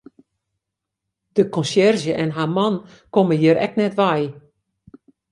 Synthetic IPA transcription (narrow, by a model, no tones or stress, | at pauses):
d̥əkɔ̃nsjɛrzjəʔɛnɦaːmɔn | koməjiəɾʔɛknɛtʋɛj